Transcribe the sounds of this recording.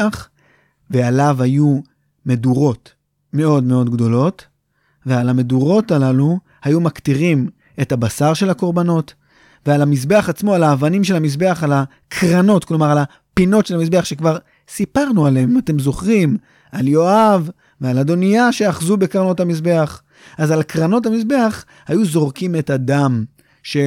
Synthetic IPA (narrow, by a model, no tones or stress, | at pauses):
aχ | ve̞alavhaju | me̞duʁo̞t | me̞o̞dme̞o̞dɡdo̞lo̞t | vealame̞duʁo̞talalu | hajumakt̪iʁim | e̞tabasaʁʃe̞lako̞ʁbano̞t | vealamis̬be̞aχat͡smo̞alaːvanimʃelamisbe̞aχala | kʰʁano̞tklo̞maʁala | pino̞tʃe̞lamisbe̞aχʃe̞kvaʁ | sipaʁnualeemimate̞mzo̞χʁim | aljo̞av | vealado̞nijaʃeaχzubekʁano̞tamisbe̞aχ | azalkʁano̞tamisbe̞aχ | hajuzo̞ʁkime̞tadam | ʃe̞